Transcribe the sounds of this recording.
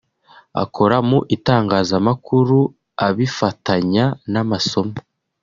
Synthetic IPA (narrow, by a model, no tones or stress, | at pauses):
a̰kʰo̞ɾamuʔitaːŋɡaːzamakuɾu | aβifataɲanamaso̞mḁ